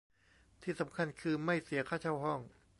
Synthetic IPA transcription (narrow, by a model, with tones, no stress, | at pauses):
t̪ʰiː˥˩sa˩˦mkʰa˧nkʰɯː˧ma˥˩jsi˨˩˦ɐkʰaː˥˩t͡ɕʰa˥˩wɦɔ˥˩ŋ